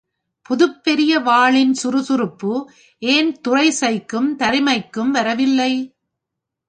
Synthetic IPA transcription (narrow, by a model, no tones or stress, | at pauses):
pʊðɯpːɛɾɪjɐʋaːɭɪnsʊɾɯsʊɾɯpːɯ | ʔeːnt̪ʊrɐɪsɐɪkːɯmt̪ɐɾɪmɐɪkːɯmʋɐɾɐʋɪlːɐɪ